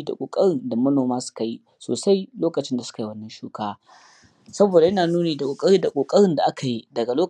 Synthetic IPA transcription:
da̰˨kʷʼo̰ː˨kʼɐ˦ɽɪ˨nda˨mɐ˦noː˨maː˦sʊ̥˦ka˨ji˦ | so̰ː˨sa˦jloː˦kɐ˨t͡ʃɪ˦nda˨sʊ̥˦ka˨ji˦wɐ˦nːɐ˦nʃuː˦kaː˦ | sɐ˦boː˨da˨jɐ˦naː˨nuː˦neː˨da˨kʷʼoː˨kʼɐ˦ɽiː˦da˨kʷʼoː˨kʼɐ˦ɽɪ˦nda˨ʔa˦ka˨ji˦dɐ˨ɡa˨loː˦

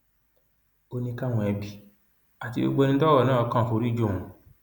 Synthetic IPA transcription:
o˧nĩ˧ka˦˨w̃ɔ̃˧ɛ˧bi˨ | a˨ti˧bo̰˧ɡ͡bo˧nĩ˧˦tɔ˦wɔ˦˨nãː˦˨˧kã˦˨fo˨˧ɾi˦d͡ʒo˦˨ũ˨

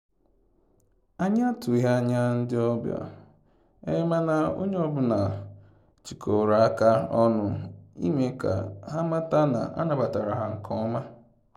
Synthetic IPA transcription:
a˦ɲa˦tʊ˨˦ɦa˦ɲa˦n̩˦dɪ˦ɔ˦bjɔ̰˨ | ḛ˦ma˦na˨o̰˦ɲe˦ɔ˦bʊ˨na˨ | t͡ʃi˨kʰo˨ɾa˨a˦ka˦ɔ˦nʊ˦ḭ˦me˦ka̰˨ɦa˦ma˦ta˦na̰˨ʔa̰˦na˨ba˨ta˨ɾa˨ɦa˨ŋ̩˨kʰɔ˦ma˦

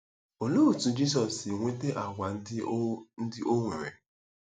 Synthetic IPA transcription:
o˨loː˦˨tu˨d͡ʒi˦s̬ɔ˨si˨ŋʷe˦te˦ʔa˨ɡʷa˨n˦n̩˦dɪ˦ʔo˦ŋʷe˨ɾḛ˨

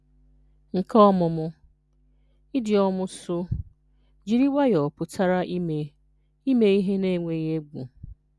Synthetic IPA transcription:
ŋ̩˨kʰɔ˦mʊ˨mʊ˦ | i˦dɪ˨ɔ˦mʊ˦sʊ˦ | d͡ʒi˦ɾi˦wa˦jɔ˨pʊ˨tʰa˦ɾa˦ʔe˨ | i˦me˦i˦ɦe˦ne˦˨ŋʷe˨je˦ɡʷṵ˨

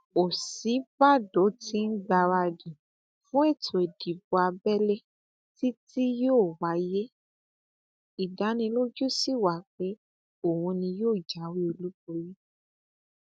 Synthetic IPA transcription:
o˨si˨˦ba˦˨do˨˦ti˦n̩˦ɡ͡ba˧wa˧di˨ | fũ˦ɛ˦˨tʰo˨e˨di˨bo˧a˧bɛ˦le˦ | ti˦ti˦joː˦˨wa˨˦je˦ | i˨da˨˦nĩ˧lo˦d͡ʒu˦si˦˨wa˨k͡pe˦ | o˦˨hũ˧nĩ˧joː˦˨d͡ʒa˨˦wi˦o˧lu˦bo˧ɾi˦

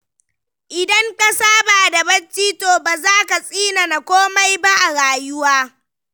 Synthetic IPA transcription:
ʔɪ˨dɐ˦ŋkɐ˦saː˦baː˨da˨bɐ˦t͡ʃːiː˦toː˨baː˨zaː˦ka˨sʼiː˦na˨na˨kʷoː˦ma˦jba˦ʔa˨ɽaː˨jʊ˦waː˦

